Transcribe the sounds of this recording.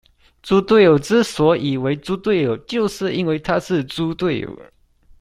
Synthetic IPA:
t͡su˥t̪we˥˩ɪjo˨˩ʊʈ͡ʂɻ̩˥˩swɔ˧˥ʔi˨˩we˧˥ɪt͡su˥t̪we˥˩ɪjo˨˩ʊt͡ɕjo˥˧ʊʂɻ̩˥˧i˥nwe˥˧ɪt̪ʰa˥ʂɻ̩˥˩t͡su˥t̪we˥˩ɪjo̰˨˩˦ʊ

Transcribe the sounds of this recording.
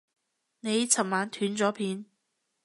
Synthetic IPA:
ne˨˧jt͡sʰɐ˨˩m̚maː˨˧˥nt̪ʰyː˨˥nt͡sɔː˨˥pʰiː˨˧n

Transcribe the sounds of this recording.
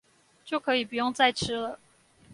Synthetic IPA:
t͡ɕjo˥˩ʊkʰɤ˧˥i˨˩pu˨˩jʊ˥˧ŋt͡sa˥˧ɪʈ͡ʂʰɻ̩˥lə˨

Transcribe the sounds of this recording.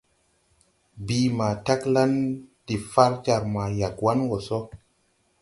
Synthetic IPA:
bi˨ma˨ta˦kla˦nd̥i˨fa˦ɾd͡ʒa˨ɾma˨ja˨kwa˦nwo˨so˦

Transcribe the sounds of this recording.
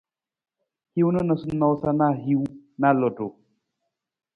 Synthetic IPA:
hi˦wnə˦nə˨su˦nɔ˨wsa˦na˦ɦi˦wna˦lɔ˨du˨

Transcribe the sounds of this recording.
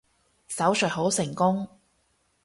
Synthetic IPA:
sɐ˨˥wsœ˨˩ɦo˨˥wsɪ˨˩ŋkʊ˥ŋ

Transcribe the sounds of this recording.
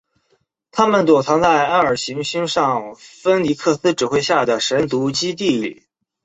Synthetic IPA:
t̪ʰa˥mə˨nt̪wɔ˨˩t͡sʰɑ˧˥ŋt͡sa˥˧ɪa˥ə˞˨˩ɕi˧˥ŋɕi˥ŋʂɑ˥˩ŋfə˥nli˧˥kʰɤ˥˩sɹ̩˥ʈ͡ʂɻ̩˨˩xwe˥˧ɪɕja˥˩d̪ə˩ʂə˧˥nt̪u˧˥t͡ɕi˥t̪̬i˥˩˧lḭ˨˩˦

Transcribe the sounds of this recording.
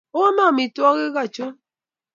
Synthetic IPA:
o˦ma˦˨mi˨tu˦ɔ˦ɣe˦ɣa˦˨t͡ʃo˦

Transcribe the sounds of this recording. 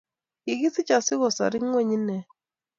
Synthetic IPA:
ɪ˨ɡɪ˦sɪ˦t͡ʃa˨sɪ˦ɣɔ˨sa̰˨ɾɪ˦ŋwe˦ɲ˦nɛ˨

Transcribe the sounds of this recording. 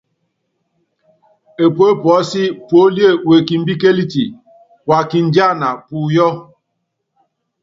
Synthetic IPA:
e˨pwo˦pwɔ˨˦si˦po˦li˦e˦˨we˨ki˨m̩˦bi˦ke˦li˦ti˨ | wa˨ki˨n̩˨˦d͡ʒa˦˨na˨pu˨jɔ˦

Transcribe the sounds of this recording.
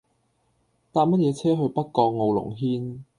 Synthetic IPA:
t̪aː˧p̚mɐ˥t̚jɛː˨˧t͡sʰɛː˥ɦɵ˧ɥpɐ˥t̚kɔː˧k̚ŋo˨wlʊ̰˨˩ŋɦiː˥n

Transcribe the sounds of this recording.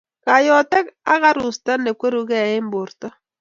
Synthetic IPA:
ka˨jɔ˨tɛ˦ka˦ɣa˦ɾu˨sta˦ne˨kwe˦ɾu˨ɣɛ˦˨e˦mbo˨ɾta˦

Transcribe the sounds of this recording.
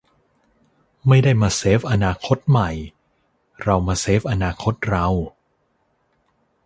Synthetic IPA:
ma˥˩jdaː˥˩jmaː˧seː˦˥p̚ʔa˧naː˧kʰo˦˥t̪̚ma˨˩j | ɾa˧wmaː˧seː˦˥p̚ʔa˧naː˧kʰo˦˥t̪̚ɾa˧w

